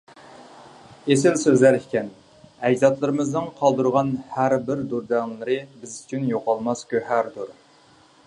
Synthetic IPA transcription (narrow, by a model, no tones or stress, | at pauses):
es̬ɪlsøzlæɾikʲʰɛn | ɛjzɑt̪lˠɨɾɨmɨznɨŋqʰɑlˠd̪uɾʁɑnhæɾbɪɾd̪uɾd̪æŋlˠɨɾɨbɪzyt͡ʃʰynjoqʰɑlˠmɑskʲøhæɾd̪uɾ